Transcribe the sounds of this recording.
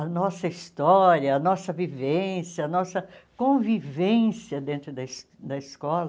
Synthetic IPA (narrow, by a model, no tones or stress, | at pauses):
ɐnɔsɐist̪ɔɾiɐɐnɔsɐvivẽsjɐɐnɔsɐkõvivẽsiɐd̪ẽnt̪ɾʊd̪ɐs | d̪ɐiskɔlɐ